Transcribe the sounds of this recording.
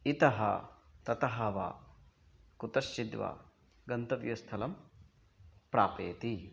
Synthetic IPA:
it̪ɐɦɐ̰t̪ɐt̪ɐɦɐʋa̰ː | kut̪ɐʃːid̪ʋa̰ː | ɡɐnt̪ɐʋjɐst̪ʰɐlɐm | pɾaːpeːt̪i

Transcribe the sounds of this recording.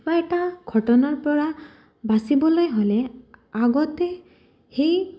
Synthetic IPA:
baɛʈaɡʱɔʈɔnaɹpɔɹa | basibɔlojɦoleaɡɔt̪e | hej

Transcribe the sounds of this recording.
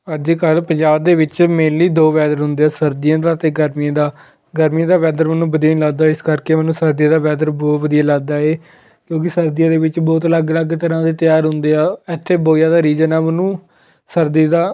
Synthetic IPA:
əd͡ʒiːkəlpəɲd͡ʒaːb̚d̪eːʋɪt͡ʃmeːliːd̪oːʋɛːd̪əɾɦʊ̃nd̪eːaːsəɾd̪ɪjãːd̪aːt̪eːɡəɾmijãːd̪aː | ɡəɾmijãːd̪aːʋɛːd̪əɾmənũːbəd̪ijaːnĩːləɡd̪aːɪskəɾkeːmɛnːũːsəɾd̪ijãːd̪aːʋɛːd̪əɾbɔːt̪ʋəd̪ijaːləɡ̚d̪aːeː | kjõːk̬ɪsəɾd̪ijãːd̪eːʋɪt͡ʃbɔːt̪ələɡləɡt̪əɾãːd̪eːt̪ɪjaːɾɦʊ̃nd̪eːaːɛt̪ʰːeːboːjaːd̪aːɾiːzənɛːmənũː | səɾd̪iːd̪aː

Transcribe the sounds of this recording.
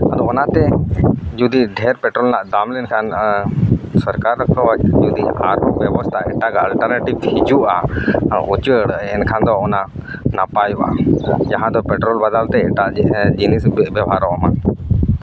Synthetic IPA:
ad̪ɔːnat̪ɛd͡ʒud̪iɖʱɛɾpɛʈɾɔlnaʔd̪amlɛnkʰan | sɔɾkaɾːəkɔad͡ʒud̪ia̰ɾɔʔbjɛbɔst̪ʰaɛʈaɡalʈəɾnaʈibhid͡ʒuʔa | ut͡ʃwəəɽəʔɛnkʰand̪ɔːna | napajuʔa̰d͡ʒaɦãd̪ɔpɛʈɾɔlbad̪alt̪ɛɛʈaʔd͡ʒinisbjɛbʱaɾɔʔɔma̰

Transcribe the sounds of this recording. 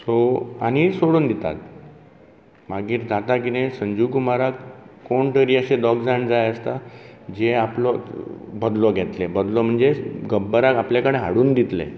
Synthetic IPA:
soa̰ɽ̃isoɽuːnd̪it̪a̰t̪ | maɡiːɾd̪at̪akinesəɲd͡ʑukumaɾakːoɳʈəɾiaɕed̪ɔkd͡zaɳd͡zajəst̪ad͡ʑeaplɔbəd̪lɔɡʱɛt̪lebəd̪lɔm̤əɳd͡zeɡəbːəɾakapljakəɽeɦa̰ɽuːnd̪it̪lḛ

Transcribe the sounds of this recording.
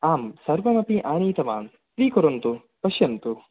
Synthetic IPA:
aːmsɐɾʋɐmɐpiʔaːniːt̪ɐma̰ːn | t̪ɾiːkoɾɐnt̪u | pɐʃjɐnt̪u

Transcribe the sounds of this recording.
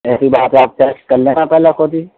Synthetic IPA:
ɛːsibaːt̪eaːp̚t͡ʃəɾt͡ʃkɐɾlẽnapɛːlakoːd̪i

